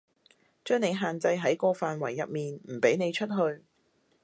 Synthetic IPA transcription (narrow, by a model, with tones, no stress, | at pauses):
t͡ʃœː˥ŋne˨˧jɦaː˨nt͡sɐ˧jɦɐ˨˥jkɔː˧faː˨nwɐ˨˩jːɐ˨p̚miː˨nm̩˨˩pe˨˥jne˨˧jt͡ʃʰɵ˥t̚ɦɵ˧ɥ